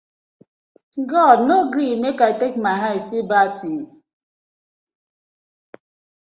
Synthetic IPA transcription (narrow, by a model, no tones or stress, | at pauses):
ɡɔdnoɡɾimekaɪtek̚maɪɦaɪsibatʰi